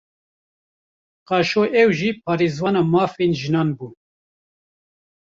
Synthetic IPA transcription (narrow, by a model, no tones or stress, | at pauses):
qɑːʃoːʔɛwʒiːpʰɑːɾeːzwɑːnɑːmɑːfenʒinɑːnbuː